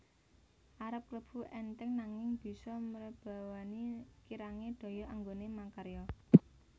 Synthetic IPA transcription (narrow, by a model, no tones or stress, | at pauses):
ʔaɾəp̚kləb̥ṳʔɛnt̪ɪŋnaŋɪŋb̥i̤sɔməɾəb̥a̤wanikiɾaŋeɖ̪̥ɔ̤jɔʔaŋɡonemakaɾjɔ